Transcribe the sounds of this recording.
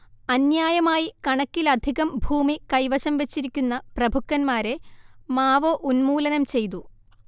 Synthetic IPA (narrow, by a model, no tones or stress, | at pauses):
ɐnjaːjɐmaːjikɐɳɐkːilɐd̪ʱiɣɐmbʱuːmikɐjʋɐɕɐmʋet͡ɕːiɾikʲːunːɐprɐbʱukːɐnmaːɾe̞maːʋoːʔunmuːlɐnɐmt͡ɕe̞jt̪u